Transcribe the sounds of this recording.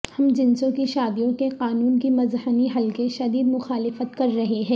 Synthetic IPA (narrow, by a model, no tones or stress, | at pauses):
hɐmd͡ʒɪnsõkiʃaːd̪ijõkeqaːnuːnkimɐzhəniɦɐlkeʃɐd̪iːd̪mʊxaːlɪfət̪kɐɾːɐɦeɦɛ̃ː